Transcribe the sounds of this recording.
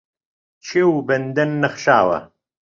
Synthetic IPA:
t͡ʃʰewbɐnd̪ɐnːɐχʃaːwɐ̰

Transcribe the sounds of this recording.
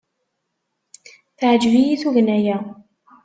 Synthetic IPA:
θʕəd͡ʒvijiθuɣnæjæ

